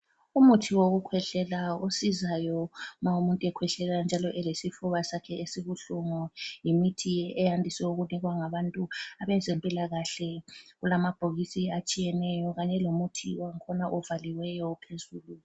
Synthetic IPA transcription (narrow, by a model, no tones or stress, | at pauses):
umutʰiwoɣukʰwɛɬɛlaosizajɔmaumuntʼuɛkʰwɛɬɛland͡ʒʱalɔʔɛlesifuβasakʰɛesiβuɬuŋɔjimitʰiɛjandʱisɛuɣuniɣwaŋaβantʼuaβɛnzʱempʼilaɣaɬɛɣulamab̥ʱoɣisiat͡ʃʼijɛnɛjɔɣaɲɛlomutʰiwaŋkʰɔnaʔɔvaliwɛjɔpʰezuːlu